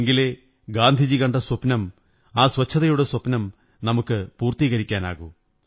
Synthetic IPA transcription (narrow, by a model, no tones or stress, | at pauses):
ŋɡile | ɡaːnd̪ʱid͡ʑikɐɳɖɐswɐpnɐm | aːswɐt͡ɕʰːɐðɐjuɽeswɐpnɐm | nɐmukːɨpuːrt̪iːɣɐɾikʲːaːna̰ːɣu